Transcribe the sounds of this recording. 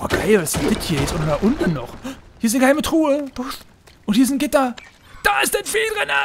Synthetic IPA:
ʔoːɡ̥aɪlvasz̥ɪntɡ̥ɪtʰhiːɐjɛsʔoːɾɐdaːʔʊntn̩nɔχhiːɐsnɡəhaɪmətʁ̥uːə̥ | ʔʊnthiɐzɪntɡ̥ɪtɐ | d̥aːɪstd̥ɛnfiːldʁɛnə

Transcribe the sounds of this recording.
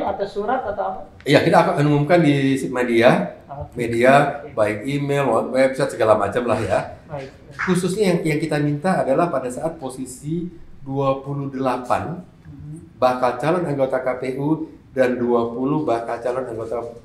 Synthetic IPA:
at̪awsuɾat̪at̪aa | ijakit̪akaənumumkandimediamediabaɪkimelwɔt̪̚waabisasəɡalamat͡ʃamlahja | kusʊsɲajaŋjaŋkit̪amint̪aːdalahpadasaʔat̪̚posisiduapuluhdəlapa̰n | bakalt͡ʃalɔnaŋɡot̪akapeʔu | danduapuluhbakalt͡ʃalɔnaŋɡot̪a

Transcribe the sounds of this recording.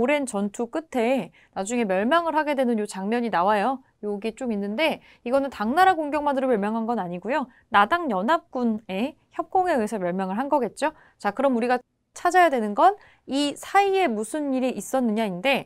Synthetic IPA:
oɾe̞nt͡ɕʌntʰuk͈ɯtʰe̞ | nad͡ʑuŋe̞mjʌɭmaŋɯɭhaɡe̞dwe̞nɯɲjot͡ɕaŋmjʌɲinawajo | joɡit͡ɕ͈oɡinːɯnde̞ | iɡʌnɯntaŋnaɾaɡoŋɡjʌŋmandɯɾomjʌɭmjaŋɦanɡʌnaɲiɡujo | nadaŋjʌnɦap̚k͈une̞ | çjʌp̚k͈oŋe̞ɯesʰʌmjʌɭmjaŋɯɭɦanɡʌɡe̞t̚t͡ɕ͈o | t͡ɕakɯɾʌmuɾiɡa | t͡ɕʰad͡ʑajadwe̞nɯnɡʌn | isʰaie̞musʰɯnːiɾiʔis͈ʌnːɯɲainde̞

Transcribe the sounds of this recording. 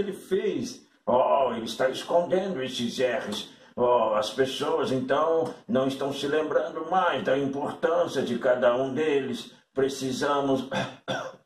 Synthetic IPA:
elɪfes | ɔelɪst̪aɪskõnd̪ẽnd̪ʊest͡ʃɪzɛχɪs | ɔɐspesoɐzẽnt̪ɐ̃w̃nɐ̃w̃ɪst̪ɐ̃w̃sɪlẽmbɾɐ̃nd̪ʊmajzd̪ɐĩmpoɾt̪ɐ̃siɐd͡ʒɪkad̪ɐũd̪elɪs | pɾesizɐ̃mʊs

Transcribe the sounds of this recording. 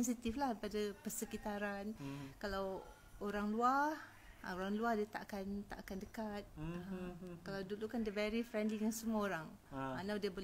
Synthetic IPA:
ɛns̬it̪iflahpadapərsəkit̪aɾankalaw | oɾaŋluah | oɾaŋluahdiat̪aʔakant̪a̰ʔakandəkat̪̚ | kalawdulukandəvɛɾifɾɛndlijaŋsəmuaoɾaŋ | anawdiabol

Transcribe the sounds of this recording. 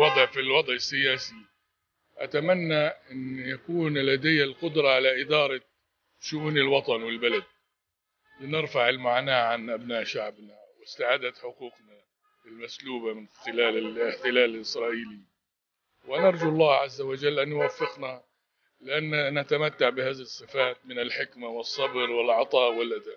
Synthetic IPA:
wɑd̪ˤʕfilwɑd̪ˤʕɪsːɪjaːsi | ʔat̪amanːaʔɪnːjakuːnlad̪ajːalqʊd̪ɾˤɑʕalaʔɪd̪ɑːɾˤɑ | ʃʊʔuːnɪlwɑt̪ˤɑnwɪlbalad̪̚ | lɪnɪɾfaʕɪlmaʕnaːʕanʔabnaːʔʃaʕbnawɪst̪aʕaːd̪at̪ħʊquːqna | ɪlmasluːbamɪnxɪlaːlɪɪħt̪ɪlaːlɪlʔɪsɾˤɑːʔiːli | wanɑɾˤd͡ʒuɑlˤːɑːʕazːawad͡ʒalːʔanjʊwafːɪqna | lɪʔanːnat̪amat̪ːaʕbɪhaːðisˤːɨfaːt̪̚mɪnɪlħɪkmawɨsˤːɑbɾwɪlʕɑt̪ˤɑːʔwɪlʔad̪aː

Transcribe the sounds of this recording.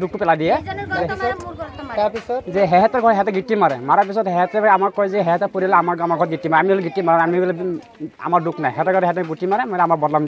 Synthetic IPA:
duk̚tʊpɛladijɛɛɔutapisɔtzɛɦɛɦɛtɔɹɡʱɔtɦɛtɛɡʱitːimaɹɛ̰maɹap̬isɔtɦɛɦɛtɛamaɹkːɔjzɛɦɛɦɛtɔpoɾialɛamaɹamaɹɡʱɔɾɔt̚ɡitːimaɹamiulɡitːimaɹaamilɛ | a̰maɹdukʰnajɦɛtɔɹɡɔɾɦɛtɛɡutimaɹɛmɔjlamaɹbɔdlam

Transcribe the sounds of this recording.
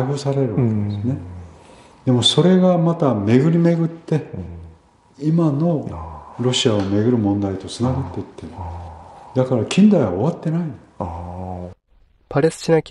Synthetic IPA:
ɸɯsaɾe̞ɾɯ̟βakkeed̪esɨne̞ | d̪̥e̞mo̞so̞ɾe̞ɡamat̪ame̞ɡɯ̟ɾʲime̞ɡɯ̟t̪ːe̞ | imano̞ɾo̞ɕiaome̞ɡɯ̟ɾɯ̟mõ̞nd̪ait̪o̞t͡sɨnaɡat̪ːe̞it̪ːe̞ | d̪akaɾakʲʰĩnd̪aiβa̰o̞βat̪ːe̞nain | paɾesɨ̥t͡ɕinakʲ

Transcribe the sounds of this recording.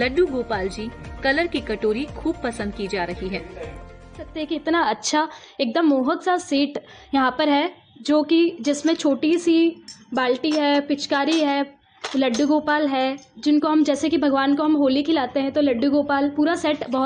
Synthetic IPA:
lɐɖːuɡoːpaːld͡ʒiːkɐləɾkikɐʈoːɾikʰuːb̚pɐsə̃nd̪̚kid͡ʒaːɾɐɦiɦɛː | sɐk̚t̪eɦɛ̃kiɪt̪naɐtːʃʰa | eːk̚d̪əmːoːɦək̪saseːʈ | jɐɦãpɐɾɦɛː | d͡ʒoːkid͡ʒɪsmẽt͡ʃʰoːʈisibaːlʈiɦɛːpɪt͡ʃkaːɾiɦɛː | lɐɖːuɡoːpaːlɦɛːd͡ʒɪnkoɦɐmd͡ʒɛːsekibʱɐɡʋaːnkoɦɐmɦoːlikʰɪlaːt̪eɦɛ̃t̪olɐɖːuɡoːpaːlpuːɾasɛːʈbɐɦʊ

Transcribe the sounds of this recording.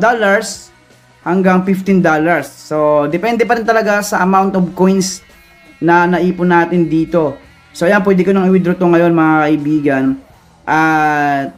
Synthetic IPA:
d̪olɐɹs | hɐŋɡaŋfɪft̪ɪnd̪olɐɹsːod̪ɛpɛnd̪ɛpɐɾɪnt̪ɐlɐɡasɐʔɐmawnt̪obko̞jns | nɐnɐʔiːpʊnaːt̪ɪnd̪iːt̪o̞ | soʔjanp̬wɛːd̪ɛkonɐŋɪwɪd̪ɾʊt̪oŋɐjo̞nmɐŋakɐʔɪbiːɡɐn | ʔɐt̪̚

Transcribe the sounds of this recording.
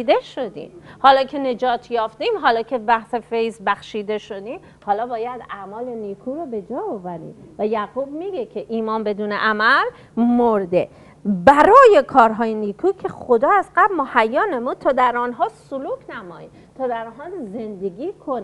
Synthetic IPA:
d̪e̞ʃod̪ḭːmhɒːlɒːcʰe̞ne̞d͡ʒɒːt̪ʰjɒːft̪iːmɦɒːlɒːcʰe̞bæhse̞fe̞jzbæxʃiːd̪e̞ʃo̞d̪iːm | hɒːlɒːbɒːjæd̪æmɒːle̞niːkʰuːɾɔbe̞d͡ʒɒːovæɾḭːmvæjæɣubmiɡekʰe̞ʔiːmɒːnbe̞d̪uːneʔæmæl | moɾd̪e̞ | bæɾɒːje̞kʰɒːɾɦɒːjeniːkʰuːcʰe̞χo̞d̪ɒːæzɢæbmohæjːɒːnemut̪ʰɒːd̪æɾɒːnɦɒːsoluːkʰnæmɒ̰ːji | t̪ʰɒːd̪æɾnɦɒːze̞nd̪e̞ɡʲiːkʰon

